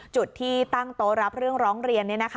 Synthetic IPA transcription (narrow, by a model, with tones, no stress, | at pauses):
t͡ɕu˨˩t̪ʰːiː˥˩t̪a˥˩ŋt̪oː˧ɾa˦˥p̚ɾɯ˥˩əŋɾɔː˦˥ŋɾi˧ənːi˦˥˩na˦˥kʰ